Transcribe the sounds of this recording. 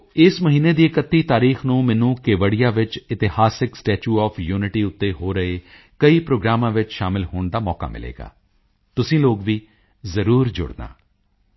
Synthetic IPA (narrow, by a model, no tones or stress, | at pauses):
ɪsməɦiːneːd̪iːkət̪ːiːt̪aːɾiːxnũːmɛnũːkeʋəɽijaːʋɪt͡ʃɪt̪ɪhaːsɪksʈeːt͡ʃuːɔːfʰjuːnɪʈiːʊt̪ːeːɦoːɾəeː | kəiːpɾoːɡɾaːmãːʋɪt͡ʃʃaːmɪlɦoːɳd̪aːmɔːka̰ːmɪ̰lḛːɡa̰ː | t̪ʊsĩːloːɡʋiː | zəɾuːɾd͡ʒʊ̰ɽd̪a̰ː